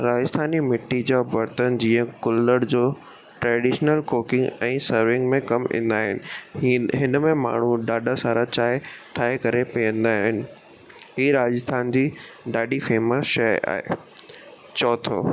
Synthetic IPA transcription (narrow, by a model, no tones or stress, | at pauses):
ɾaːd͡ʑəst̪ʰaːnimɪʈːid͡ʑaːbɐɾt̪ənd͡ʑĩːə̃kʊlːəɽd͡ʑoː | ʈɾɛːɖiːʃnəlkoːkɪ̃ŋɡɛ̃ːsɐɾʋɪ̃ŋɡmẽkɐmɪ̰̃ːn̆d̪aːɦɪnɪ̆ɦɪnmẽma̰ːɳ̤uɗaːɗasaːɾat͡ɕaːɦʈʰaːɦekɐɾepiə̃nd̪aːɦɪnɪ̆ | ɦiːɾaːd͡ʑəst̪ʰaːnd͡ʑiːɗaːɗifeːməsʃɐa̰ːɦḛː | t͡ɕɔːt̪ʰo̰ː